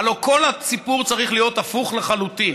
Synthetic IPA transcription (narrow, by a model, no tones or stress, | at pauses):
lo̞ko̞lasipuʁt͡saʁiχlijo̞t̪afuχleχalut̪in